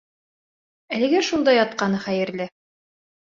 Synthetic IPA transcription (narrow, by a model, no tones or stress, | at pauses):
ælɘ̆ɡæʃund̪ɑjɑt̪̚qɑnɤχæjɘ̆ɾlɘ